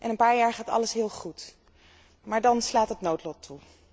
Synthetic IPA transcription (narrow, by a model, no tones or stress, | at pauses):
ʔɛnənpaːɹjaːɹχaːtɑ̰ləsɦɪːlˠχut | maːɹdɑnslaːtɦətnowtlɔtʰːu